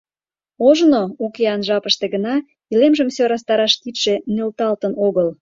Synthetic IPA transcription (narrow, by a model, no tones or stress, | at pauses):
oʒnookeɑnʒɑpəʃt̪eɣənɑ | ilemʒəmsøɾɑs̬t̪ɑɾɑʃt̪it̪ʃenølt̪ɑlt̪ənoɣəl